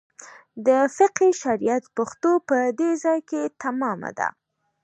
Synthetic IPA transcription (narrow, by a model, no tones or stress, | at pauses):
d̪əfɪqhiʃaɾijat̪pʊxt̪opəd̪ezɑjket̪amɑma̰d̪a̰